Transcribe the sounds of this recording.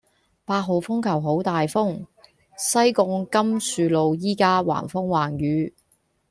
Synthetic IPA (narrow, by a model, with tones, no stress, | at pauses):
paː˧t̚ɦo˨˧wfʊ˥ŋkʰɐ˨˩wɦo˨˥wt̪aː˨jfʊ˥ŋ | sɐ˥jkʊ˧˥ŋkɐ˥msyː˨lo˨wjiː˥kaː˥wa̰ː˨˩nfʊ˥ŋwaː˨˩nɥyː˨˥